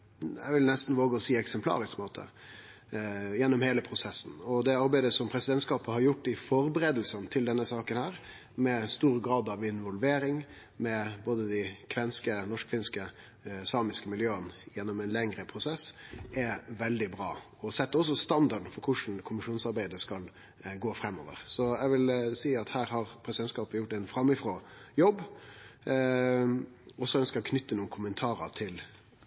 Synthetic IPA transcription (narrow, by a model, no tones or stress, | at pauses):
æ̰ɪʋɪlnɛst̪n̩ʋoːɡəɔsiːɛksɛmpʰlɑ̰ːɾɪskmoːt̪ʰə̰ | jɛnːɔmheːləpʰɾʊsɛsːn̩ɔd̪ɛɑɾbæɪd̪əsɔmpʰɾɛsɪd̪ɛnt̪skɑːpəhɑɾjʊʈːɪfɔɾbəɾeːd̪l̩sənt̪ʰɪld̪ɛnːəsɑːkənhæːɾ | mɛst̪uːɾɡɾɑːd̪ɑʋɪnʋɔlʋeːɾɪŋ | mɛboːd̪əd̪ɪkʰʋɛnskənɔʂkʰʋɪnskə | sɑːmɪskəmɪljøːənjɛnːɔmɛnlɛŋɾəpʰɾʊsɛsɛʋɛld̪ɪbɾɑː | ɔsɛt̪ːəɔs̬ɔst̪ɑnd̪ɑɖn̩fɔɾkʰʊʂn̩kʰʊmɪʂuːnsɑɾbæɪd̪əskɑl | ɡoːfɾɛmːɔ̰ːʋə̰ɾsɔɛʋɪlsiːɑt̪hæːɾɦɑɾpʰɾɛsɪd̪ɛnskɑːpəjʊʈːɛnfɾɑmːɪfɾoːjɔbː | ɔsɔœnskəɾɔkʰnʏt̪ːənuːəkʰʊmənt̪ʰɑːɾə̰t̪ʰɪl